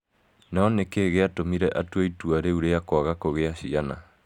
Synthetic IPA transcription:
naɔnekeɣeatomiɾɛʔatwoituaɾeuɾeakwaɣakoɣeaɕiana

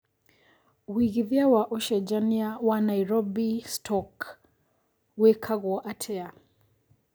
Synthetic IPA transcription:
wiɣiðiawaʔɔʃɛd͡ʒaniawanaiɾɔbistʰɔk | wɛkʰaɣɔʔatʰɛa

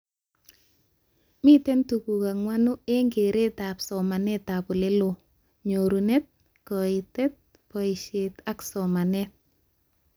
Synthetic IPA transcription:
mitɛntukukaŋwanueŋɡeɾetapsɔmanɛt̪apulelo | ɲoɾunɛt̚ | kɔitɛt̪̚ | kɔiʃet̪aksɔmanɛt̚

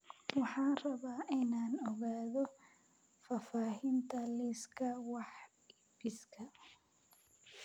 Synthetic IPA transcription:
wɑħɑːnrɐβaːʔɪnaːnɔɣaːðɔ | faːfaːɦɪnt̪ʰɐliskʰɐwɑħ | ɪbɪskʰɐ

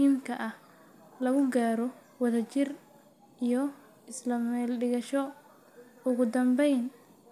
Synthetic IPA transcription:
iːmkʰɐʔɐh | lɐɣʊɡaːɾɔ | wɐðɐt͡ʃɪr | ijɔ | ɪslɐmɛlɖɪɣɐʃɔ | ʊɣʊd̪ɐmbɛjn

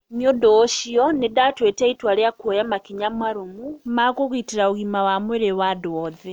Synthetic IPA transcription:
mjodoːʃiɔnedatwetɛitwaɾeakwojamakiɲamaɾomumakoɣiteɾaoɣimawamweɾewadowɔðɛ

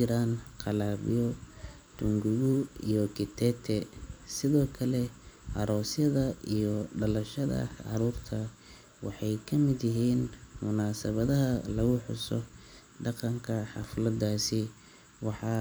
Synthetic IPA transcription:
ɪɾaːnqɑlaːβḭjɔ | t̪ʰʊŋɡʊɣʊijɔkʰɪt̪ʰɛːt̪ʰɛsɪðɔːkʰɐlɛʔɑɾɔːsjɐðɐijɔɖɐlɐʃɐðɐ̰ʕɑ̰ɾuːrt̪ʰɐ | wɑ̰ħɑjkʰɐmɪd̪jɪɦiːnmʊnaːsɐβɐðɐɦɐlɐɣʊħʊ̰sɔ | ɖɑqɑŋkʰɐħɑ̰flɐd̪aːsɪ | wɑħɑ

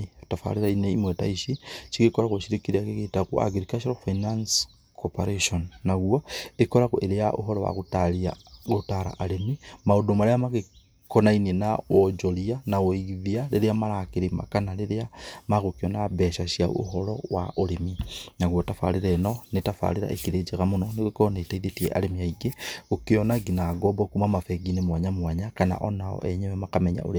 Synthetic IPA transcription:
tafa̰liɾaineimwetaiʃit͡ʃiɣekoɾaɣuʃiɾikiɾakeɣetakua̰ɡɾikat͡ʃoɾofainans | kʰopaɾeʃonːaɣwoekoɾaɣuʔeɾejaʔo̰ɦolowa̰ɣutalia̰ɣutaɾa̰ʔalemimaudomaɾejamaɣe | konainienawod͡ʒolianawoiɣiðiaɾeɾeamaɾakeɾema̰kanaɾeɾeamaɣokeɔnabɛʃaʃiao̰ɦɔɾɔ̰wa̰ʔoɾeminaɣwotafa̰ɾeɾɛnɔnetafa̰ɾeɾa̰ʔekiɾed͡ʒeɣamonɔneɣokɔnetaiðetiɛʔa̰ɾemiaiɡeɣokeɔnaɡinaɡɔbɔkumamafɛɡinemwaɲamwaɲakana̰ʔɔnaɔ̰ʔɛɲɛwɛmakamɛɲa̰ʔo̰ɾe

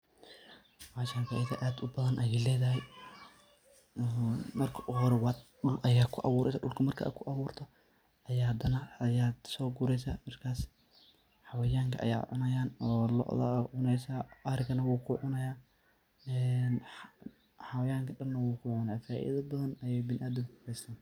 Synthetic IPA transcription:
waːʃaːnfaːʔɪðɐʔaːd̪ʊbɐðɐnʔɐjɛːlɛːðɐɦɛj | mɐrkʰɐʔɔɾwɑɗʊlʔɐjaːkʰʊʔɑ̰βuːɾʔɛsɐɗʊlkʰɐmɐrkʰɐ̰ʔkʰʊʔɑβuːrt̪ʰɐ | ɐjaːd̪ɐnɐjaːd̪sɔːɡuɾɛjsaːmɐrkʰaːs | ħɑwɐjaːŋkʰɐʔɐ̰ja̰ːʕʊ̰nɐjaːnɔːlɔ̰ʔðɐ̰ʕʊnɛjsaːʔɐɾɪɡɐnɐwuːkʰʊʕʊnɐjaː | ɛn | ħɑwɐjaːŋkʰɐɗɐnːɐwuːkʰʊʕʊnɐjaːfaːʔḭðɐbɐðɐnɐjɛjbɪnɪʔaːd̪ʊkʊɡʊrɛjsʰaːn

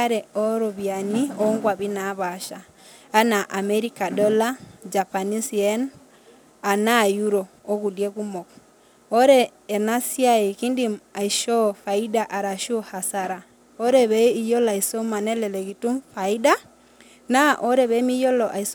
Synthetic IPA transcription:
aɾɛɔɾɔβjaniɔŋɡwaβinaβaʃa | anaʔamɛɾikadɔlad͡ʒapanisiɛn | anajuɾoːɣuljekumɔk | ɔɾɛː | nasiaikindiaiʃɔfaidaʔaɾaʃɔhasaɾa | ɔɾɛβɛijɔlaisomanɛlɛlɛɣitufaida | naʔɔɾɛβɛmijɔlɔʔais

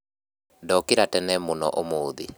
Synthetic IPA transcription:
dɔkiɾatɛnɛmonɔ̰ʔomoːði

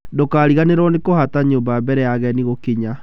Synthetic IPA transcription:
dokaːɾiɣaneɾɔnekohataɲoːmbabɛɾɛjaɣɛniɣokeɲa

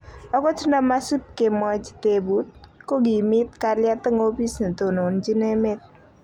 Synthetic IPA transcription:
ɔkot͡ʃʰnamasup̚keməd͡ʒt̪ebut̪̚koɡimit̪kaɾljat̪əŋopisnt̪onond͡ʒinemet̪̚

